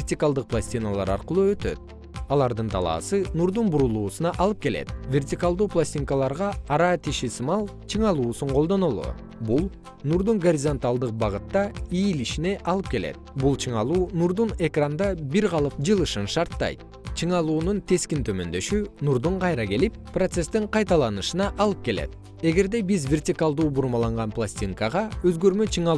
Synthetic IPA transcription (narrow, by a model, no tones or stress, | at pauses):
vʲrt̪ʲikalˠd̪ɯq̚plˠasʲt̪ʲinalˠɑ̰ɾɑ̰ɾqɯlˠuø̞t̪ø̞̰t̪̚ | ɑlˠɑɾd̪ɯnt̪ʰɑlˠɑ̰ːsɯnuɾd̪unbuɾulˠuːsɯnɑʔɑlˠɯp̚ke̞le̞̰t̪vʲe̞rtʲikalˠd̪uːplˠasʲtʲiŋkalˠɑɾʁɑːɾɑt̪iʃisɯmɑlˠ | t͡ʃʰɯɴɑlˠuːsuɴqʰod̪o̞nolˠo̰ | bulˠ | nuɾd̪uŋɡoɾʲizo̞nt̪alˠd̪ɯq̚bɑʁɯt̪ːɑiːliʃine̞ʔɑlˠɯp̚ke̞lḛt̪̚bulˠt͡ʃʰɯɴɑlˠuːnuɾd̪une̞krand̪ɑbiɾʁɑlˠɯpd͡ʒɯlˠɯʃɯnʃɑɾt̪ːɑ̰jt̪̚ | t͡ʃʰɯɴɑlˠuːnunt̪ʰe̞skint̪ʰø̞mø̞̰nd̪ø̞ʃynuɾd̪uɴqʰɑjɾɑke̞lip̚pro̞t̪se̞st̪iɴqʰɑjt̪ɑlˠɑnɯʃɯnɑʔɑlˠɯp̚ke̞le̞̰t̪̚ | e̞ɡe̞ɾd̪e̞bizvʲe̞rtʲikalˠd̪uːbuɾmɑlˠɑɴʁɑnplˠasʲtʲiŋkaʁɑø̞zɡø̞ɾmø̞t͡ʃʰɯɴɑ